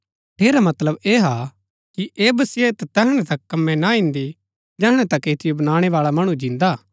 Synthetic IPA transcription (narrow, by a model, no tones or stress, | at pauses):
ʈʰeːɾamɐt̪ləbeːɦa | kiʔeːbɐsɪet̪ɛt̪ɛɦɽ̃ɛ̃t̪ɐkːɐmːɛ̃naĩnd̪i | d͡ʒɛːɦɽ̃ɛ̃t̪ɐkːeːt̪ʰɪjobɐñaːɽ̃eʋaːɭamɐɽ̃ũd͡ʒɪ̃nd̪aː